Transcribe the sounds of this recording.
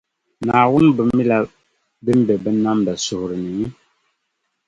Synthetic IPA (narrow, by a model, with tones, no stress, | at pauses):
naː˨wʊ˦n˦bɨ˨m̩˦i˦la˨ | bɨ˦m˦bɛ˨bɨ˦na˦mda˨sʊ˨hʊ˨ɾɨ˨nɨ˨˦